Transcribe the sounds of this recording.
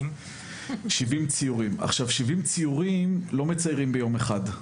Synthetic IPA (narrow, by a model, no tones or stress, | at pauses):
ʃivimt͡siuʁima̰χʃavʃivimt͡sijuʁimlo̞met͡sajʁimbejo̞meχad